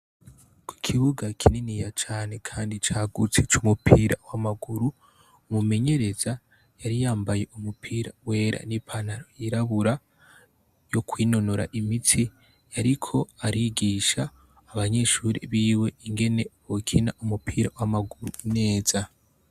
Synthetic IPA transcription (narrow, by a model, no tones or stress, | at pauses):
kwi̥kʰiβuɡakʰininijat͡ʃaːne̞kʰaːndit͡ʃaːɡut͡set͡ʃumupʰiːɾa̰wamaɡuɾu | umume̞ɲe̞ɾe̞za | jaɾijaːmbaje̞umupʰiːɾawe̞ːɾʔa̰nipʰanaɾojiɾaβuɾa | jo̞kwiːno̞no̞ɾa̰ʔimitʰi | jaɾikʰo̞aɾiɡiːʃaː | βaɲe̞ʃuːɾḭβiːwe̞iŋɡe̞ne̞βokʰinaʔumupʰiːɾawamaɡuɾuine̞ːz̥a